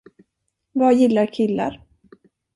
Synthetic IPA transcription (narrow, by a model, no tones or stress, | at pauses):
vaːjɪlːaɾkʰɪlːa̰ɾ